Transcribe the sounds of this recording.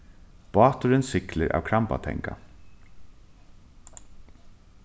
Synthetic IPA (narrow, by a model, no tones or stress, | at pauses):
b̥ɑːt̪ʊɾɪnsɪklɪɾʔa̰ːwkʰɾampa̰t̪ʰɛ̰ŋka